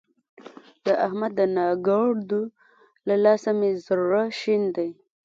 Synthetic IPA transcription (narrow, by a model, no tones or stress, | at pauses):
d̪əʔahmad̪ːənɑɡɑɽd̪u | lalɑsamezaɾuɾaʃind̪aj